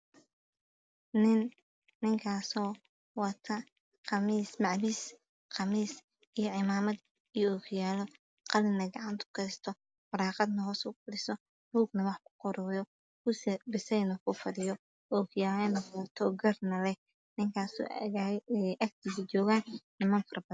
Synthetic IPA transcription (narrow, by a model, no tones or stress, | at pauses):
nɪnː | ɪŋkʰaːsɔː | wɐt̪ʰɐ | qɑmiːsmɑʕbiːs | qɑmiːs | ijɔʕɪmaːmɐd̪ | ijɔːkʰjaːlɔ | qɑlɪnɐɡɑʕɑnt̪ʰʊ̥kʰɛst̪ʰɔ | fʊɾɑːqɑd̪nɐhɔːsʊɡʊdɪsɔ | buːɡnɐwɑħkʰʊ̥qɔɾɔːjɔ | kʊsɛbɪsɛnɔkʰʊfɐdɪjɔ | ɔːkʰjaːlnɔɐt̪ʰɔɡɐrnɐlɛ | nɪŋkʰaːsɔ̰ː | ʔɐk̚t̪ʰiːsɪt͡ʃɔːɣaːnnɪmɐːnfɐrbɐn